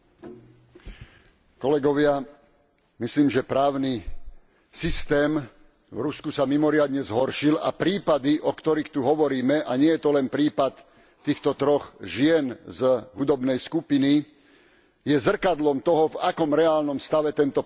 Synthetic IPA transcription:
kɔlɛɡɔʋɪa | misliːmʒɛpɾaːʊni | sist̪ɛːm | vɾuskusamimɔɾɪad̪ɲɛzɦɔɾʃila̰pɾiːpad̪iʔɔkt̪ɔɾixt̪uɦɔʋɔɾiːmɛʔaɲɪɛjɛt̪ɔlɛnpɾiːpat̪ː | iːxt̪ɔt̪ɾɔɣʒɪɛnzɦud̪ɔbnɛjskupini | jɛzr̩kad̪lɔmt̪ɔɦɔvakɔmɾɛaːlnɔmst̪aʋɛt̪ɛnt̪ɔ

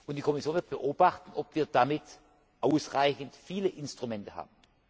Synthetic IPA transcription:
ʔʊntd̥iːkʰɔmɪsjoːnvɪɐt̚b̥əʔoːbaχtn̩ʔɔpviːɐdamɪt | ʔaʊsʁaɪçn̩tfiːləʔɪnstʁ̥ʊmɛntəha̰ːbn̩

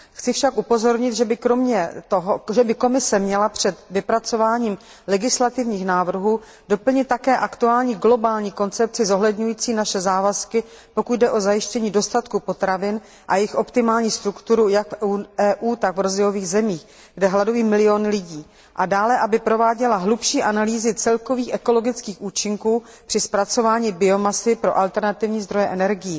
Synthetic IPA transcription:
xt͡sɪfʃakʔupo̞zo̞ɾɲɪt̪ʒɛbɪkɾo̞mɲɛt̪oɦoʒɛbɪko̞mɪsɛmɲɛlapr̝̥ɛt̪vɪpɾat͡so̞vaːɲiːm | lɛɡɪslat̪ɪvɲiːxnaːvr̩ɦuː | do̞pl̩ɲɪt̪̚tːakɛːʔakt̪uaːlɲiːɡlo̞baːlɲiːko̞nt͡sɛp̚t͡sɪzo̞ɦlɛdɲujiːt͡siːnaʃɛzaːvaskɪ | po̞kud̪dɛʔo̞zajɪʃcɛɲiːdo̞st̪at̪kupo̞t̪ɾavɪn | ʔa̰jɛɪxʔo̞pt̪ɪmaːlɲiːst̪ɾukt̪uɾujakfuɛːʔuːt̪aɡvɾo̞zɛjo̞viːɣzɛmiːx | ɡdɛɦladujiːmɪlɪjonɪlɪɟiː | ʔadaːlɛʔabɪpɾo̞vaːɟɛlaɦlupʃiːʔanaliːzɪt͡sɛlko̞viːxʔɛko̞lo̞ɡɪt͡skiːxʔuːt͡ʃɪŋkuː | pr̝̥ɪspɾat͡so̞vaːɲiːbɪo̞masɪpɾo̞̰ʔalt̪ɛɾnat̪ɪvɲiːzd̪ɾo̞jɛʔɛnɛɾɡɪji

